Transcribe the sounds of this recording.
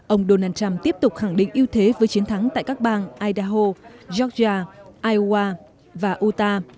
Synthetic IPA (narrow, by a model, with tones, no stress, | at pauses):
ʔə˧wŋ͡mɗo˧naː˧nt͡ɕa˧mt̪i˦˥əp̚t̪ʊ˨˩k͡p̚xa˧˩ŋɗḭ˧˨ŋ̟ʔi˧əwt̪ʰe˨˦vəː˨˦jt͡ɕi˨˦ənt̪ʰa˨˦ŋt̪a̰ː˧˨jkaː˦˥k̚ɓaː˧nʔaː˧jɗaː˧ɦo˧zɔ˦˥t̚zaː˧ʔaː˧jwaː˧ | vaː˨˩ʔu˧t̪aː˧